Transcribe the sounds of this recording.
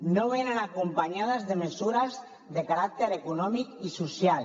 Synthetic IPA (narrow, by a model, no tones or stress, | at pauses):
noβenanakumpaɲað̞azðemesuɾaz | ðekaɾak̚t̪eɾekunɔmikisusjal